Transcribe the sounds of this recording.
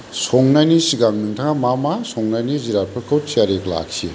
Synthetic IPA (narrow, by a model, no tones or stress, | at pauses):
soŋnanisiɡaŋnɯŋtʰaŋamamasʰoŋnaniziɾaɾ̚pʰɐkʰowtsiaɾekla̰ksḭ